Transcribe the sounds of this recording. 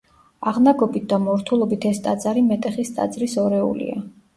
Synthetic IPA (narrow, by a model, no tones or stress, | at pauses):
aʁnaɡɔbit̪̚d̪amɔɾt̪ʰulˠɔbit̪ʰɛst̪ʼad̪zaɾimɛt̪ʼɛχist̪ʼa̰d̪zɾisɔɾɛṵlḭa̰